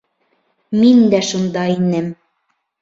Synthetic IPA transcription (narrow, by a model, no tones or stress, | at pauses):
mind̪æʃund̪ɑinæm